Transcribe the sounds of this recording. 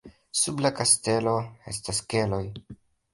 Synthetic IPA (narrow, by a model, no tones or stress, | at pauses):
sublakaste̞lo̞e̞staske̞lo̞j